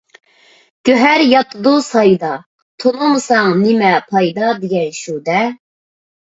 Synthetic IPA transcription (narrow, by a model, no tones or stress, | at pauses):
ɡ̥ʲøɦæɾjɑt̪ʰɨd̪usɑjd̪ɑ | t̪ʰonˠumɨsɑŋnɪmɛpʰɑjd̪ɑd̪eɡʲɛnʃud̪ɛ